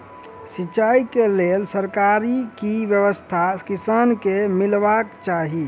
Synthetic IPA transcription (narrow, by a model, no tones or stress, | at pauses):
sit͡ʃaikelelsəɾkaɾikibjəʋəst̪ʰakisankemilbakt͡ʃaɦi